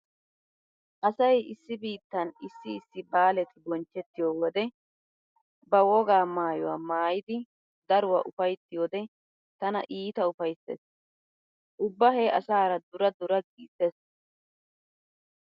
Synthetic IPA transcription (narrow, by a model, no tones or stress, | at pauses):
ʔɐsɐjɪsːɪbiːt̪ːɐnɪsːɪːsːɪbaːlɛt̪ɪbɔnt͡ʃːɛt̪ːɪjowɔd̪ɛ | bɐwɔɡaːmaːjɔwaːmaːjɪd̪ɪ | d̪ɐɾʊwɐ̰ʔʊfɐjt̪ːɪjod̪ɛ | t̪ɐnɐ̰ʔiːt̪ɐʊfɐjsːḛs | ʔʊbːɐɦeːɐsaːɾɐd̪ʊɾɐd̪ʊɾɐɡiːses